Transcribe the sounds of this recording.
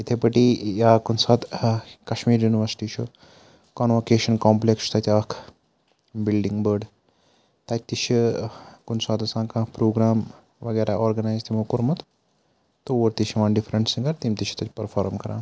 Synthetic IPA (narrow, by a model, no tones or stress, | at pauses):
it̪ʰepɐʈijaːkunsaːt̪kɐʃmiːɾjuːniʋɐɾsʈiːt͡ʃʰu | kɐnʋokeːʃɐnkoːmplekst̪ɐt̪ʰʲaːkʰ | bilɖiŋɡbəɖ | t̪ɐt̪̚ʰʲt̪iʃʰikʊnsaːt̪ɐsãːkãːpɾoːɡɾaːm | ʋɐɡeːɾaʔoːɾɡɐnaːjzt̪ʰimokuɾmɐt̪ | t̪ooːɾt̪iʃiʋãːnɖifʰɾɐɳʈsiɡɐɾt̪imt̪iʃʰi̥t̪ɐt̪ʰʲpɐɾfʰaːɾmkɐɾã̰ː